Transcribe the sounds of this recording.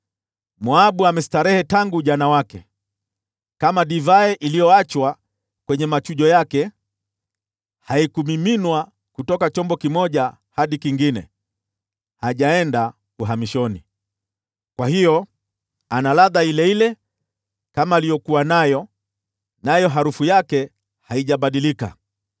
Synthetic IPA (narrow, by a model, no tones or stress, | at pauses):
muaɓuamɛsi̥taɾɛhɛtaŋɡuʄanawakɛ̰ | kamaɗivaɛʔilijɔat͡ʃwa | kwɛɲɛmat͡ʃuʄɔjakɛ | haikumiminwa | kutɔkat͡ʃɔmbɔkimɔʄa | haɗikiŋɡinɛ̰ | haʄaɛnda | kuɦamiʃɔni | kwahijɔ | analaðailɛilɛ | kamaːlijɔkuwanajɔ | najɔɦaɾufujakɛ | haiʄaɓaɗilika̰